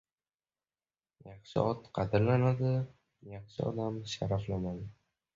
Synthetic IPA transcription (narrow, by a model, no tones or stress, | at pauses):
jɑχʃɪ̰ɒt̪qʰɑd̪ɪɾlanad̪ɪ | jɑχʃɪɒ̰d̪amʃaɾaflamad̪ɪ